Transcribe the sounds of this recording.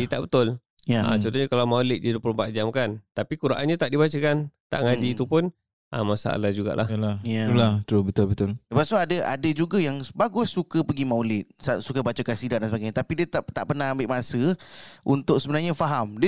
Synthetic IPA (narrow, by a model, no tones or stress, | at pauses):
diət̪aʔbət̪ʊl | jaã̰t͡ʃɔnt̪oɲakalawmawlɪt̪̚djad̪uəpulompaʔd͡ʒamkant̪apikuɾaʔanɲat̪aʔdibat͡ʃəkant̪a̰ʔŋad͡ʒiːt̪upʊn | ʔa̰masa̰a̰lahd͡ʒuɡa̰ʔlʔa̰hlajalat̪ɾubət̪ʊlbət̪ʊlləpaʔsuadəʔa̰dəd͡ʒuɡajaŋbaɡʊsːukəpəɡimawlɪt̪̚sasukəbat͡ʃakansidaʔ̚dansəbaɡajɲat̪apidiət̪at̪a̰ʔpərnahambɪʔmasəʔunt̪ʊk̚səbənarɲafaɦamd